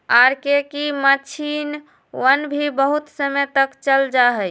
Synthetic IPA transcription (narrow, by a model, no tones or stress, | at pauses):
aɾkekimət͡ʃʰin | wənbʱibəɦut̪səmət̪əkt͡ʃəld͡ʒaɦəj